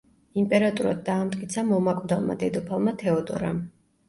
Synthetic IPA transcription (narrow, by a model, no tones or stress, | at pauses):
impʼɛɾat̪ʼuɾa̰d̪ːaːmt̪ʼkʼit̪sʰamɔmakʼvd̪alˠma̰d̪ɛd̪ɔpʰalˠmat̪ʰɛɔd̪ʼɔ̰ɾam